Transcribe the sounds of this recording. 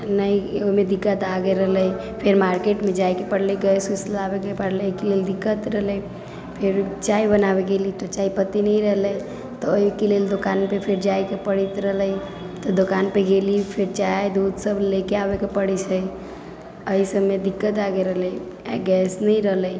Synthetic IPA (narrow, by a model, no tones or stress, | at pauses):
nəioimed̪ikːət̪aɡeɾəɦləj | pʰeɾmaɾkeʈmed͡ʒajkepəɽleɡɛseslabekepəɽleokeleld̪ikːət̪ɾəɦləj | pʰeɾt͡ʃaibənaβeɡelit̪ɔt͡ʃaipət̪inəiɾəɦlə | t̪ɔoikeleld̪okanpepʰeɾd͡ʒajkepəɽit̪ɾəɦləj | t̪ɔd̪okanpeɡelipʰeɾt͡ʃajd̪ud̪səblekeabekepəɽit͡ʃʰəj | əisəbmed̪ikːət̪aɡeɾəɦləj | aɡɛsnəiɾəɦləj